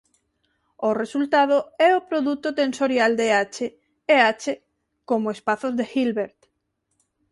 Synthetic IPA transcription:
ʊresult̪að̞ʊɛopɾoðut̪ʊt̪ensoɾjald̪eat͡ʃe | eat͡ʃe | komʊespaθʊzðexilβeɾt̪

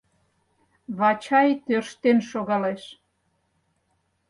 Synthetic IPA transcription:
βɑt͡ɕɑjt̪ørʃt̪enʃoɣɑleʃ

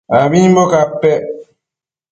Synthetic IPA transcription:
abibɔkapːɛ

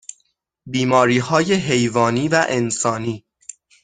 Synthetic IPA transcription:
biːmɒːɾiːhɒːje̞ɦe̞jvɒːniːvæʔe̞nsɒːniː

